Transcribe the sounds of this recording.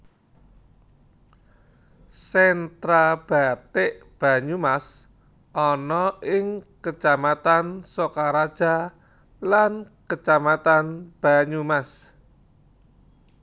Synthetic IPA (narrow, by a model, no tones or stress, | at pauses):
sɛnt̪ɾab̥a̤t̪eʔb̥a̤ɲumas | ʔɔnɔʔɪŋkət͡ʃamat̪ansokaɾad̥ʒ̥a̤ | lankət͡ʃamat̪anb̥a̤ɲumas